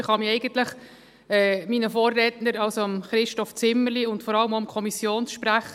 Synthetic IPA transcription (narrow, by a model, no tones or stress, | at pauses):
ɪχhɑmiɛɪɡəntləχ | ɛːminəfoːrːɛːtnəɾɑlsoɑmχɾɪʃtɔft͡sɪmːəliʊntfɔɾɑləmoʊmkʰɔmisjoːnsʃpɾæχ